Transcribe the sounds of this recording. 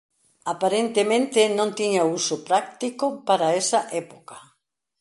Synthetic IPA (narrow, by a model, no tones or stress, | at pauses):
apaɾent̪emẽnt̪ɪnõnt̪iɲausʊpɾak̚t̪ikʊpaɾaesɐʔɛpo̥kḁ